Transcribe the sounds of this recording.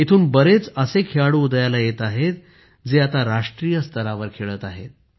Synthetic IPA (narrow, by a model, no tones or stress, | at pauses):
it̪ʰuːnbəɾet͡səsekʰeaɽuːd̪jalajet̪aɦet̪ | d͡zeat̪aɾaʂʈɾijəst̪ʰəɾaʋəɾkʰeɭəːt̪aɦḛt̪̚